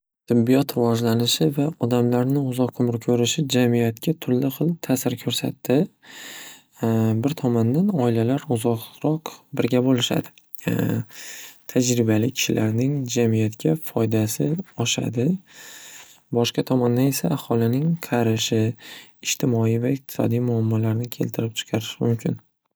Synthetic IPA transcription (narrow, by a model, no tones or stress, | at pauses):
t̪ʰɪbːijɒt̪ɾɪvɒd͡ʒlanɪʃɪvaɒd̪amlaɾnɪʊzɒqʰːʊmɾɪkʲʰɵɾɪʃɪd͡ʒamijat̪kʲʰat̪ʰʊɾlːɪχɨlˠt̪ʰasɪɾkʰɵɾsa̰t̪ːɪ | bɪɾt̪ʰɒmɒnd̪anɒɪlalaɾʊzɒqɾɒqbɪɾɡʲabolɪʃa̰d̪ɪ | t̪ʰad͡ʒɾɪbalɪkʲʰɪ̥ʃɪlʔaɾnɪŋd͡ʒamijat̪kʲʰafɒjd̪asɪɒʃa̰d̪ɪ | bɒʃqɑt̪ʰɒmɒnd̪ane̞saːhɒlɪnɪŋqʰɑɾɪʃɪɪʃt̪ʰɪmɒijvaɪq̚t̪ʰɪ̥sɒ̰d̪ijmʊamːɒlaɾnɪkʲʰe̞̰lt̪ʰɪɾɪp̚t͡ʃʰɨ̥qʰɑɾɪʃɪmʊmkʲʰɪn